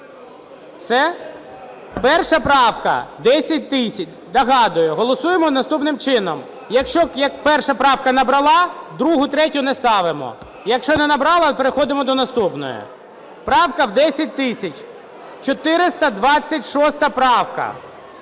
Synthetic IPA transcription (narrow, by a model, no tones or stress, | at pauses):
sɛ | pɛrʃɐpɾɑwkɐ̰d̪ɛsʲɐt̚ʲt̪ɪsʲɐt͡ʃʲ | d̪ɐɦɑd̪ʊjʊɦɔlˠɔsujemɔnɐst̪upnɪmt͡ʃɪnɔm | jɐkʃt͡ʃɔjɐkpɛrʃɐpɾɑwkɐnɐbɾɐlˠɑd̪ɾuɦʊt̪ɾɛtʲʊnɛst̪ɑʋɪmɔ̰ | jɐkʃt͡ʃɔnɛnɐbɾɑlˠɐpeɾexɔd̪ɪmɔd̪ɔnɐst̪upnɔ̰jʊ̰ | pɾɑwkɐwd̪ɛsʲɐt̚ʲt̪ɪsʲɐt͡ʃʲ | t͡ʃɔt̪ɪɾɪst̪ɐd̪ʋɑt͡sʲːɐtʲʃɔst̪ɐpɾɑwkɐ̰